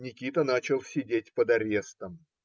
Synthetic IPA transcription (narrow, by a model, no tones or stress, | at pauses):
nʲɪkʲit̪ənat͡ɕɪlˠsʲɪdʲetʲpəd̪ɐɾʲe̞st̪əm